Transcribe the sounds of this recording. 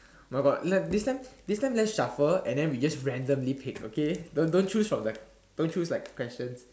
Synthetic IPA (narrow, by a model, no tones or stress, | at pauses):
maɪɡɔdlɛdistãɪ̃mdistãɪmlɛtsʃafəɛ̰̃ndɛ̃nwid͡ʒasɹɛ̃ndə̃mlipʰɪko̰kedõndõnt͡ʃusfɹɔ̃mdə | d̥õnt͡ʃuslaɪkʰːwɛst͡ʃə̃ns